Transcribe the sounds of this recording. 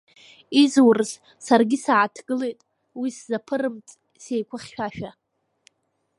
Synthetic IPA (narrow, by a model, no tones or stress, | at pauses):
izwrz | sarɡʲisaʕatʰɡɨle̞jtʼ | wiszapʰɨrɨmt͡sʼ | se̞jkʷʰʊχʲːᶣaʃᶣa